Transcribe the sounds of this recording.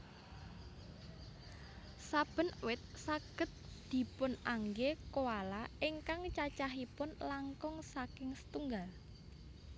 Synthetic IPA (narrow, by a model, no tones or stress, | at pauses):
sab̥ə̤nwɪt̪̚saɡ̥ə̤t̪̚d̪̥i̤pʊnʔaŋɡekowalaʔɪŋkaŋt͡ʃat͡ʃaɦipʊnlaŋkɔŋsakɪŋsə̥t̪uŋɡal